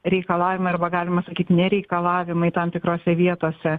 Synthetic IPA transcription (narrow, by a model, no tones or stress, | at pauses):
ɾʲɛɪkɐlˠɑːʋʲɪmɐɪɐrbɐɡɑːlʲɪmɐsɐkʲiːt̪ʲnʲɛɾʲɛɪkɐlˠɑːʋʲɪmɐɪt̪ɐmt̪ʲɪkɾoːsʲɛʋʲiɛt̪oːsʲɛ